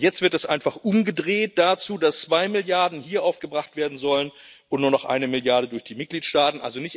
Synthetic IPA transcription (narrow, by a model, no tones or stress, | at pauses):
jɛt͡stv̥ɪɐtɛsʔa̰ɪnfaχʔʊmɡədʁeːt̚d̥aːt͡suːdast͡sv̥aɪmɪljaɐdn̩hiːɐʔaʊfɡ̥əbʁaχtv̥eːɐdn̩zɔlən | ʊntnuːɐnɔχʔa̰ɪnəmɪljaɐɾədʊɐçd̥iːmɪt̚ɡ̥liːtʃtaːtn̩ʔa̰lzonɪçt